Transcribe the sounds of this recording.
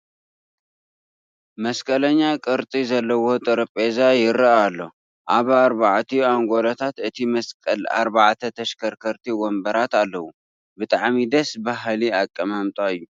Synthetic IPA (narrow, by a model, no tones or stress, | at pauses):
mɐskʼɐlɐɲːakʼɨɾt̪ʼizɐlːɐwo̞t̪ʼɨɾɨpʼezajɪɾaalːo̞̰ | ʔaβaɾbaʕt̪ʰiaŋɡo̞lot̪ʰat̪ɨt̪ʰimɐskʼɐla̰ɾbaʕt̪ʰɐt̪ʰɐʃkʰɐɾkʰɐɾt̪ʰiwɔmbɐɾat̪alːɐwu | bɨt̪ʼaʕmid̪ɐsbaɦliakʼːɐmamt̪ʼaɨjːu